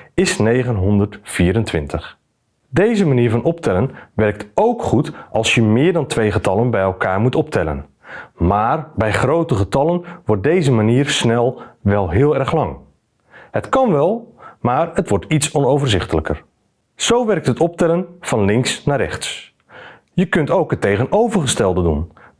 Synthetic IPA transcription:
ɪsnejχənɦɔndərtfiːɾəntʋɪntəχ | dejzəmaniːɹvɑnʔɔptʰɛlənʋɛrk̚tʰowkχutʔɑlˠsjəmɪːɹdɑntʰʋejχətɑlənbɛjɛlˠkaːɹmutɔp̚tʰɛlə̰n | maːrbɛjχrowtəχətɑlənʋɔrt̚dejzəmaniːrsnɛlˠʋɛlˠɦɪːlˠɛrχlɑŋ | hətkɑnʋɛlˠmaːrətʋɔɹtitsɔnowvərzɪχtələkə̰r | z̥owʋɛrk̚tɦətɔp̚tɛlənv̥ɑnlɪŋksnaːɾɛ̰χts | jəkɵntowkətːejɣənowvərχəstɛlˠdədṵn

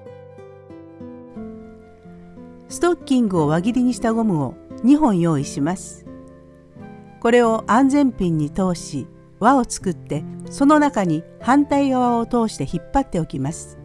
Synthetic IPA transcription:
sɨ̥t̪o̞kʲːĩŋɡɯ̟o̞βaɡʲiɾʲiɲ̟iɕi̥t̪aɡo̞mɯ̟o̞ɲ̟iɦõ̞ɰ̃jo̞ːiɕimasɨ̥ | ko̞ɾe̞o̞ʔãnd͡zẽ̞mpʲĩɲ̟ːit̪o̞ːɕi | βao̞t͡sɨ̥kɯ̟t̪ːe̞so̞no̞nakaɲ̟ihãnt̪aiɡaβao̞t̪o̞ːɕi̥t̪e̞çipːat̪ːe̞o̞kʲimasɨ̥

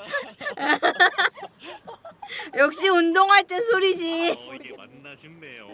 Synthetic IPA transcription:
jʌk̚ɕ͈iundoŋɦaɭt͈esʰoɾid͡ʑi

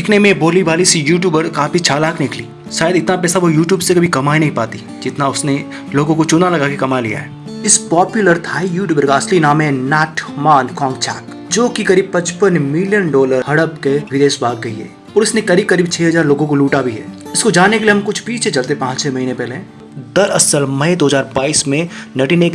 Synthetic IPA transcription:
ɖɪkʰnemẽboːliʋaːlisjuːʈ̬juːbəɾkaːfit͡ʃʰaːlaːknɪkliː | ʃaːjəd̪ɪt̪napɛːsaʋojuːʈjuːbsekɐbʱikɐmaːinɐɦĩpaːt̪i | d͡ʒɪt̪naʊsne | loːɡõkot͡ʃʊnalɐɡakekɐmalḭja̰ɦɛ̰ː | ɪspɔːpjʊləɾt̪ʰaːijuːʈjuːbəɾkaɐslinaːmɦɛnɛːʈmaːnkɔ̃ːŋɡ̚t͡ʃʰa̰ːk | d͡ʒoːkikɐɾiːb̚pɐt͡ʃpənmɪljənɖɔːləɾhɐɽəbkeʋɪd̪eːʃbʱaːɡːɐiɦɛ̰ː | ɔːɾʊsnẽkɐɾiːb̚kɐɾiːb̚t͡ʃʰɛːɦɐzaːɾloːɡõkoluːʈabʱiɦɛ̰ːɪskod͡ʒaːnekelieɦɐmkʊt͡ʃʰpiːt͡ʃʰɛt͡ʃɐlt̪epãːt͡ʃt͡ʃʰɛːmɐɦiːnepɛːleɦː | d̪ɐɾɐsəlmɐ̃d̪oːɦəzaːɾbaːiːsmẽnɐʈinek

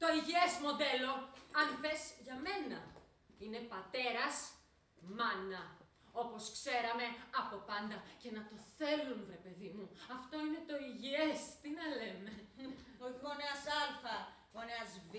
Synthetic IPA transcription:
t̪o̞iʝiesmo̞d̪e̞lo̞ɐnfe̞zʝɐme̞nɐ | ine̞pɐt̪e̞ɾɐs | mɐnɐ | o̞po̞skse̞ɾɐme̞ɐpo̞pɐnd̪ɐce̞nɐt̪o̞θe̞lunɾe̞pe̞ðimuɐft̪o̞ine̞t̪o̞iʝiest̪inɐle̞me̞oɣoneɐsɐlfɐ | oneɐzv

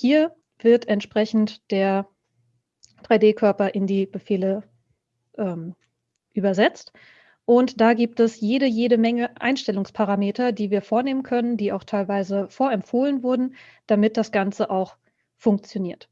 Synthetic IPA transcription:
hiːɐ | v̥ɪɐtɛntʃpʁ̥ɛçn̩td̥eːɐ | d̥ʁaɪdeːkʰœɐpɐʔɪndiːb̥əfeːlə | ʔɛːm | ʔyːbɐzɛt͡st | ʔʊntd̥aːɡiːp̚tɛsjeːɾəjeːɾəmɛŋəʔa̰ɪnʃtɛlʊŋspʰaʁameːtɐdiːviːɐfoːɐneːmənkʰœnəndiːaʊxtʰaɪlvaɪzəfoːɐɛmtfoːlənvʊɐdn̩d̥amɪt̚d̥asɡ̥ant͡səʔaʊx | fʊŋk̚t͡sjoniːɐt

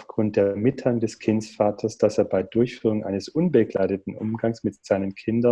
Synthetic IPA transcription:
ʊfɡ̥ʁʊnt̚d̥eːɐmɪtʰaŋdɛskʰɪnsfaːtʰɐsd̥aseːɐbaɪdʊɐçfyːʁ̞ʊŋʔa̰ɪnəsʔʊnbəɡla̰ɪdətn̩ʔʊ̰mɡaŋsmɪtz̥aɪnənkʰɪndɐ

